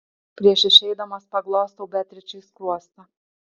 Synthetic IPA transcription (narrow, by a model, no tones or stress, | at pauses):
pɾʲiɛʃɪʃɛjd̪ɐmɐspɐɡlˠɔːst̪ɐʊbʲɛt̪ʲɾʲɪt͡ʃɨsklˠɔst̪ɐ